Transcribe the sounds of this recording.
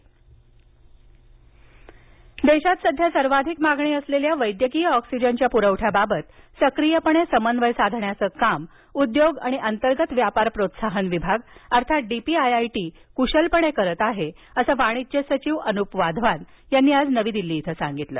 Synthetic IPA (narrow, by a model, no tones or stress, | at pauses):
d̪eɕat̪səd̪ʱjasəɾʋad̪ʱikmaɡɳiːəsleljaʋəjd̪jəkijəɔksid͡ʑənt͡ɕjapuɾəʋʈʰjababət̪səkɾijəpəɳ̃esəmənd̪ʋəjsad̪ʱɳjat͡səːkam | ud̪joɡa̰ɽ̃iʔənt̪əɾɡət̪ʋjapaɾpɾot̪saɦənʋibʱaɡəɾt̪ʰat̪̚ɖipiajajʈiː | kuɕəlpəɳ̃ekəɾət̪aɦe | əsəːʋaɽ̃it͡ɕesət͡ɕiʋənupʋad̪ʱʋan | janːiːad͡znəʋiːd̪ilːiːt̪ʰəsãŋɡit̪lə̰ː